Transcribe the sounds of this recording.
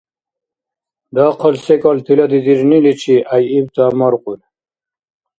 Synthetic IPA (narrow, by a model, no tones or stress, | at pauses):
d̪ɑqʰɔlsekɔlt̪ʰilɐd̪id̪iɾnilit͡ɕʰiʔajibt̪aːmɔɾqul